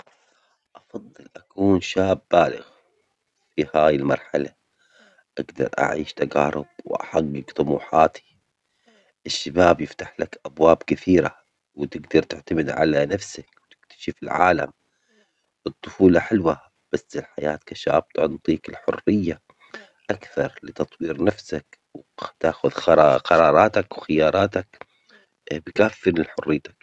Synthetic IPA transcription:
ʔɑfɑðˤːɨlʔakuːnʃaːbːaːlɪ̰ɣ | fihaːjɪlmɑɾˤħala | ʔaɡd̪ɑ̰ɾˤʔa̰ʕiːʃt̪aɡɑːɾˤʊ̰b̥wʔa̰ħaɡːɪɡt̪ˤʊmṵːħaːt̪ʰi̥ | ʔɪʃːabaːbjɪft̪aħlakʔabwaːbkɪθiːɾa | wt̪ɪɡd̪ɑɾˤt̪ɪʕt̪amɪd̪ʕa̰lanafsakwt̪ɪ̥kt̪ḁʃɪfɪlʕa̰ːla̰m | ʔɨt̪ˤːʊfuːlɑħɪlwa | b̥asːɪlħaja̰ːt̪kaʃa̰ːb̚t̪ʊʕnt̪ˤiːkɪlħʊ̰rːɪjːa | ʔakθɑɾˤlɪt̪ɑt̪ˤwiːɾnafsak | wt̪aːxʊðxɑɾqɑɾˤɑːɾˤɑːt̪akwxɪjɑːɾˤɑːt̪ak | bɪkafːɪnɪlħʊrːɪːt̪ḁk

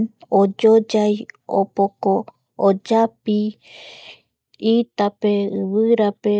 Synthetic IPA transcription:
od͡ʒod͡ʒajo̰pokoː | d͡ʒapi | it̪ape̞ɨβɨɾape̞

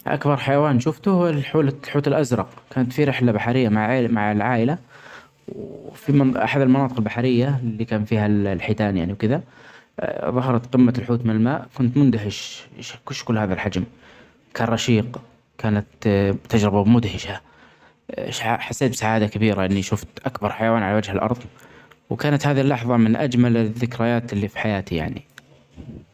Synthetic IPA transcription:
ʔa̰kbɑɾˤħajawaːnʃʊft̪ʊħuːlalħuːt̪ɪlʔazɾˤɑqkaːnat̪fiɾɪħlabaħaɾɪjːamaʕmaʕɪlʕaːʔɪla | wfimʔa̰ħad̪ɪlmɑnɑːt̪ˤɨqɪlbaħɾɪjːalːikaːnfiːhallħit̪aːnjaʕniwkɪða | ðˤɑɦɑɾˤɑt̪qɪmːalħuːt̪mɪnɪlmaːʔkʊnt̪mʊnd̪aɦɪʃʃkʊʃkʊlːhaːðalħad͡ʒm | kʰaːnɾˤɑʃiːq | kʰaːnat̪t̪ːad͡ʒɾɪbabmʊd̪hɪʃa | aħasːeːt̪̚bɪsaʕaːd̪akabiːɾaʔɪnːiʃʊft̪ʔakbɑɾˤħajawaːnʕalawad͡ʒhɪlʔɑ̰ɾˤðˤwkaːnat̪haːðiɪlːɑħðˤɑmɪnʔad͡ʒmalðːɪkɾajaːt̪ɪlːifi̥ħajaːt̪ija̰ʕnḭ

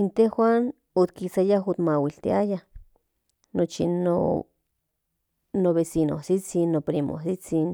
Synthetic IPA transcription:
int̪ehwʷan | ot̪kisajaɦot̪mawilt̪ḭajah | not͡ʃino̰ | noβesino̰sit͡sinːopɾimo̰sit͡sin

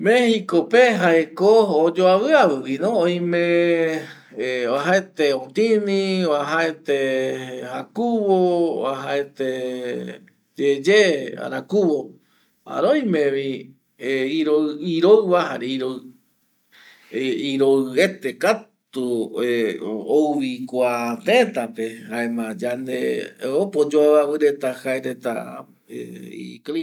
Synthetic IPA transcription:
mẽhikopeɦaekoːd͡ʒoaβɨaβɨβinõõj̃mẽ | βaɦaet̪eõt̪inĩβaɦaet̪ehakuβoβaɦaet̪e | d͡ʒed͡ʒea̰ɾakuβo | a̰ɾoj̃mẽβi | eiɾoiɾoɨβaha̰ɾeiɾo | iɾoɨet̪ekatt̪u | owβikʷat̪et̪apehaemãd͡ʒand̪eopod͡ʒoaβaβɨɾe̞t̪ahaeɾet̪a̰ | ḛḭkɾi

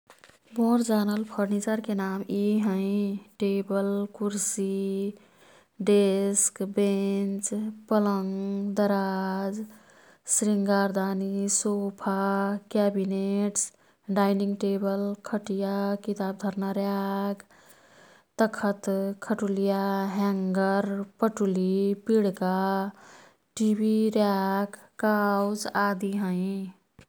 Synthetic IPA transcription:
bõɾd͡ʒanəlpʰəɾnit͡ʃəɾkenamiɦə̃ɪʈebəlkuɾsi | ɖeskbent͡ʃpələŋd̪əɾad͡ʒ | sɾiŋɡaɾd̪anisopʰakabineʈs | ɖaɪniŋɡʈebəlkʰəʈijakit̪aːb̚d̪ʱəɾnaɾjaɡ | t̪əkʰət̪kʰəʈulijaɦɛ̃ŋɡəɾpəʈulipiɽka | ʈibʱiɾjaɡ | kawd͡ʒad̪iɦə̃i

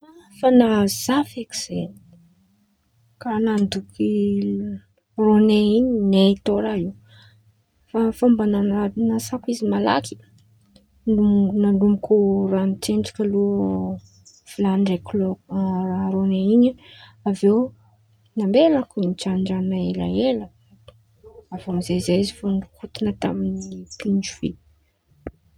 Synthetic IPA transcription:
afanaz̥afeki̥z̥eni̥ | kanand̪uki | roneiɲinet̪oɾaiw | fafambanananasakizimala̰kʰi̥ | unalumikuranteɳɖ͡ʐḁkalu | filanrekloaɾoneiɲaavew | nambelakunit͡ʃaɳɖ͡ʐanaela̰elə̥ | avomizezeizifunɖ͡ʐukut̪inət̪aminipind͡ʒuvḭ

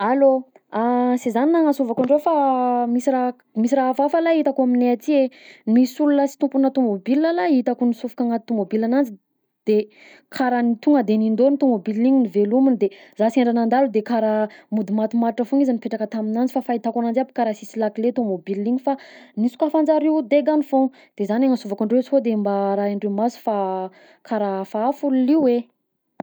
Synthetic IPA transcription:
alo | asezaninaŋasuvakaɳɖ͡ʐefamisira | misiraɦafafalait̪akuamineat̪ienisulunəsi̥t̪umpunət̪omobilːalait̪akunisufu̥kaŋat̪umobilanand͡zi | d̪̥e | kʰaɾanit̪uŋɡəd̪enind̪onit̪omobiliɲinivelumind̪ezaseɳɖ͡ʐanand̪alud̪ekaɾamud̪imat̪imaɾʈ͡ʂəfuŋizanipeʈ͡ʂakət̪aminand͡zifafait̪akanand͡zapi̥kaɾasisilakilet̪omobilːiɲifanisu̥kafand͡zaɾiwd̪eɡanifoŋ | d̪̥ezanaŋəsuvakuɳɖ͡ʐeut͡si̥ɦod̪embaɾaiɳɖ͡ʐemasu̥fa | kʰaɾafaːfululiwwe

